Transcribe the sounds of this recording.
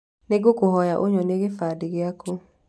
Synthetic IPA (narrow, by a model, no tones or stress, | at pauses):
neɡokoɦɔjaʔoɲɔneɣefadɪɣɪako